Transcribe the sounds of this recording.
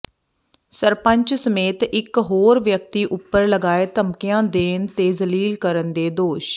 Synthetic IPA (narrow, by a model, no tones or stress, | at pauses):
səɾpə̃ɲt͡ʃsəmeːt̪ɪkɦoːɾʋjəkt̪iːʔʊpːəɾləɡaːeːt̪əmkɪjãːd̪eːnt̪eːzəliːlkəɾənd̪eːd̪oːʃ